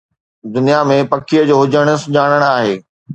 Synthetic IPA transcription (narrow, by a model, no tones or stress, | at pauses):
d̪ʊnijamẽpɐkʰijəd͡ʑoːɦʊd͡ʑəɽ̃ə̆sʊɲaːɽ̃əɽ̃aːɦeː